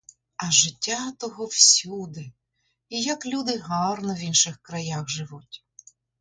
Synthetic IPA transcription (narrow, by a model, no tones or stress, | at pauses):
ɐʒɪtʲːat̪ɔɦɔwsʲud̪ɪ | ijɐklʲud̪ɪɦɑrnɔʋʲinʃɪxkɾɐjaxʒɪʋutʲ